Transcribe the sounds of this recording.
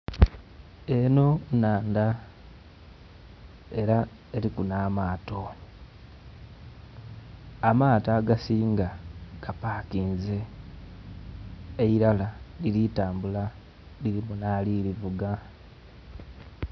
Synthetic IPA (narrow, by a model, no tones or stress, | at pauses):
e̞no̞naːnda | e̞ɾa | eɾikunaːmaːto̞ | amaːtaːɡasiːŋɡaɡ̥apaːkiːnze̞ | iɾalalilitaːmbula | liɾimunaːliɾivuɡa